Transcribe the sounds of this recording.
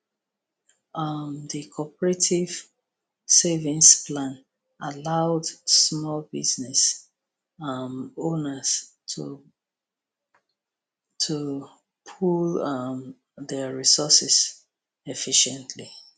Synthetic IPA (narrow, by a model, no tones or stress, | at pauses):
ʌmðikʰɔpəɹetʰiv̥ | sevĩnsplãn | alaʊdsmɔlbiznɛs | ʌmonəz̥tʰṵ | tʰu | pʰulʌm | ðɛɹisɔsɛs | ɛfiʃɛ̃ntʰli